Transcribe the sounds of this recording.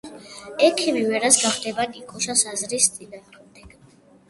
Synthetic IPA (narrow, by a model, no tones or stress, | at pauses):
ɛkʰimivɛɾasɡaχd̪ɛbakʼikʰɔʃasazɾist̪ʼib̪anɾɛmd̪ɛɡ̥